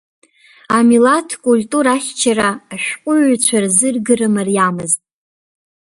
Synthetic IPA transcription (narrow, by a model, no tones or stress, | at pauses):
amilatʰkʼulʲtʼuɾaχʲt͡ʃʰaraːʃᶣqʷʼʊɥt͡ɕʷʰarzɨrɡɨrɨmarjamɨztʼ